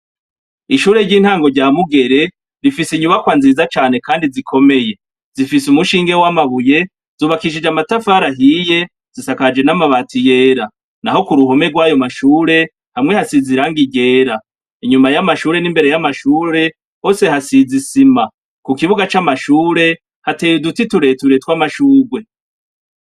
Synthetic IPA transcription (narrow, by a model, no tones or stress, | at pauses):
iʃuːɾe̞ɟiːn̥haːŋɡo̞ɾɟaːmuɡe̞ɾe̞ | βifisiɲuβakwanziːzat͡ʃaːne̞kaːndizikʰo̞me̞je̞ | z̥ifisumuʃiːŋɡe̞wamaβuje̞ | z̥uːβakiʃ̬id͡ʒamatafaːɾaɦije̞ | z̥isakad͡ʒe̞namaβaːtije̞ːɾa | naho̞kuɾuɦo̞me̞ɡwajo̞maʃuːɾe̞ | hamŋehasiziɾaŋɡiɡe̞ːɾa | iɲumajamaʃuːɾe̞nimbe̞ɾe̞jamaʃuːɾe̞ | ho̞ːse̞ɦasizisima | kukiβuɡat͡ʃamaʃuːɾe̞ | hate̞ːjudutituɾe̞tuɾetwamaʃuːɡwe̞